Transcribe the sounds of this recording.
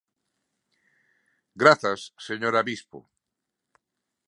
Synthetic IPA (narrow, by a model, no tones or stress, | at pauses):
ɡɾaθasːeɲoɾaβispo̰